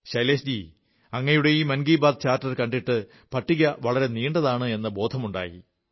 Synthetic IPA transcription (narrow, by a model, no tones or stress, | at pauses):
ɕɐjleːsd͡ʑi | ɐŋːɐjuɽe̞iːmɐnɡiːbaːd̪̚t͡ɕaːrtːɐrkɐɳɖiʈːɨ | pɐʈːiɣɐʋɐɭɐɾe̞niːɳɖɐðaːɳɨe̞nːɐbo̞ːd̪ʱɐmuɳɖa̰ːjḭ